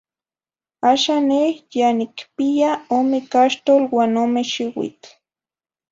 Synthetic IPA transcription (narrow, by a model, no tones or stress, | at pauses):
aʃanehjanikpijaomekaʃt̪olwanomeʃiwḭt̪